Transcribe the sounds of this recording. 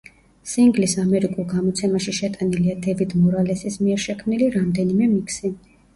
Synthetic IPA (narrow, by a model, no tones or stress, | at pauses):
siŋɡlisamɛɾikʼulˠɡamɔt̪sʰɛmaʃiʃɛt̪ʼaniliad̪ɛvid̪mɔɾalɛsismiɛɾʃɛkʰmniliɾamd̪ɛnimɛmikʰsi